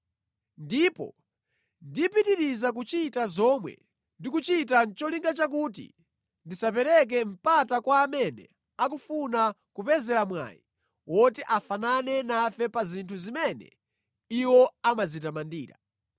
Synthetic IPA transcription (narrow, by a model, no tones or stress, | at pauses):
ndipɔ̰ | ndipitiɾizak̬ut͡ʃitazɔmwɛ̰ | ndikut͡ʃitant͡ʃɔliŋɡat͡ʃak̬ut̬ḭ | ndisap̬ɛɾɛk̬ɛm̩patakwaːmɛnɛ̰ | ak̬ufuna | kupɛzɛɾamwa̰ji | wʔɔtiʔafananɛnafɛpazintʰuzimɛnɛ̰ | iwɔamazitamandiːɾa̰